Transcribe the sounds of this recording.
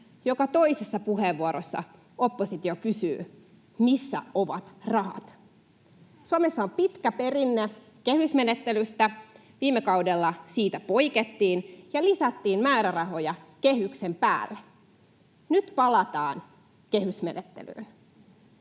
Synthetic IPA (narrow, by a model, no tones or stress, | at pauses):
jo̞kɑt̪o̞isesːɑpuɦeʋːuoɾosːɑ̰ | opːosit̪iokysy̰ː | misːæ̰oʋɑt̪rɑɦɑ̰t̪ | suɑmesːɑompit̪kæpe̞rinːe | kehysme̞net̪ːelyst̪æ | ʋiːmːekɑwdelːɑsiːt̪æpo̞iket̪ːiːnjɑlisæt̪ːiːnmæːɾærɑɦo̞jɑkeɦyksempæ̰ːlːe | nyt̪pɑlɑt̪ɑːn | ke̞hysmenet̪ːḛly̰ːn